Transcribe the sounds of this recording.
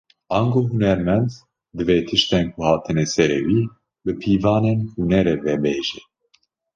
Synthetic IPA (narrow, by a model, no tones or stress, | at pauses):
ɑːŋɡoːɦunɛɾmɛnd̪ | d̪ɨveːt̪ʰɨʃt̪ɛnkʰuhɑːt̪ʰɨnɛsɛɾewiː | bɨpʰiːvɑːnenhunɛɾevɛbeːʒɛ